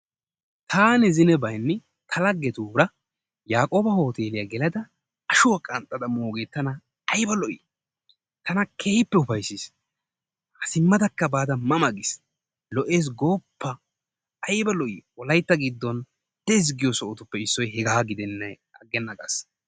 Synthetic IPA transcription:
t̪ʰaːnɪzɪnɛbɐjnːɛ | t̪ʰɐlɐɡːɛt̪uːɾɐ | jaːkʼo̞ːbɐho̞ːt̪e̞ːlɪjaɡɛlɐd̪ɐ | ɐʃʊwɐkʼɐnt̪ʼːɐd̪ɐmoːɡe̞ːt̪ːɐnɐ | ɐjbɐlɔʔḭː | t̪ɐnɐkʰeːhɪpːɛʊfɐjsis | hɐsɪmːɐd̪ɐkːɐbaːd̪ɐmɐmɐɡɪs | lɔʔe̞ːs̬ɡo̞ːpːɐː | jbɐlɔʔḭːwɔlɐjt̪ːɐɡɪd̪ːɔn | d̪̥ɛɪs̬ɡɪjɔsɔʔɔt̪ʊpːɛɪsːɔjhɛɡaːɡɪd̪ɛnːɐj | ɐɡːɛnːɐkʼɐ̰s

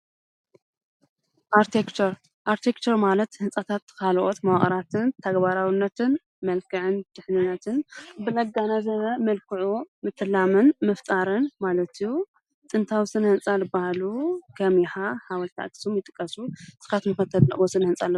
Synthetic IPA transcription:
ʔaɾt̪ʰekt͡ʃɐɾ | ʔaɾt̪ʰekt͡ʃ̪ʰɐɾmalɐt̪hɨnsʼat̪ʰat̪kʰalʔot̪mɐwaχʼɾat̪ʰɨnt̪ʰɐɡbaɾawɨnːɐt̪ʰɨn | mɐlkʰɨʕɨnt̪ʰɨħnɨnɐt̪ʰɨnbɨnɐɡanɐzɐβɐmɐlkʰɨʕumɨt̪ʰːɨlːamɨnmɨft̪ʼaɾɨnmalɐt̪iju | t̪ʼɨnt̪ʰawisɨnhɨnt͡sʼalɨbahalukʰɐmjɪħahawɐlt̪ʰa̰t̪sumjɪt̪ʼɨ̥kʼːɐsusɨ̥xat̪mɨxɐt̪ʰːɐd̪lɐ̰ʔwosɨnhɨnsʼalː

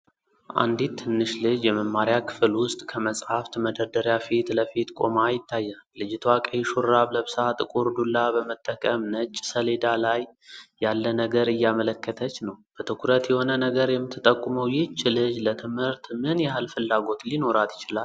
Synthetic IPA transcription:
ʔa̰nd̪it̪ʰːɨnːɨʃlɨd͡ʒjɛməmːaɾjakʰɨ̥fɨlwʊst̪ʼkʰəməsʼhaft̪məd̪əɾd̪əɾjafit̪ləfit̪kʼo̞majɪt̪ːajːalɨd͡ʒɪt̪ʰwakʼəjʃuɾːaβləβsat̪ʼɨkʼuɾd̪ulːabəmət̪ʼːəkʼəmnət͡ʃʼːsəled̪alajːalːənəɡəɾɨjːamələkʰːət̪ʰət͡ʃːnəwb̥ət̪ʰɨkʰuɾət̪jɛho̞nənəɡəɾjɛmːɨt̪ʰːɨt̪ʼəkʼːuməwjɪt͡ʃʼːɪlɨd͡ʒlət̪ʰɨmhɨɾt̪mɨnjɛhalfɨlːaɡo̞t̪lino̞ɾat̪jɪ̥t͡ʃɪlal

